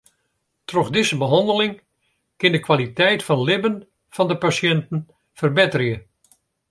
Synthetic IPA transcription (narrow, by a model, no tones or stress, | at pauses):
trɔxdɪsəbəɦɑndəlɪŋ | kɪndəkʋalitɛjtfɑnlɪbən | vɑndəpasjɛntən̩ | fərbɪtərjə